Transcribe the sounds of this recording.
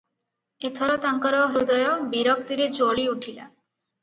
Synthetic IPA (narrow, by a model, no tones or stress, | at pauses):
et̪ʰɔɾɔt̪aŋkɔɾɔɦɾud̪ɔjɔbeɾɔk̚t̪iɾed͡ʒoɭiuʈʰila̰